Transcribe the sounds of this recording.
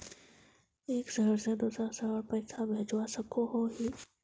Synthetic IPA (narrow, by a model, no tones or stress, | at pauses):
eːksəɦəɾsed̪uːsɾasəɦəɾpɛːsʰabʱeːd͡ʒwasəkʰoɦoɦiː